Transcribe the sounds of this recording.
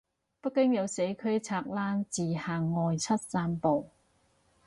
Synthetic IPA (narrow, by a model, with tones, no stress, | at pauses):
pɐ˥t̚kɪ˥ŋjɐ˨˧wse˨˥jkʰɵ˥ɥt͡sʰaː˧k̚laː˥nt͡siː˨˩haː˨ŋːɔː˨jt͡sʰɐ˥t̚saː˥mpo˨˩w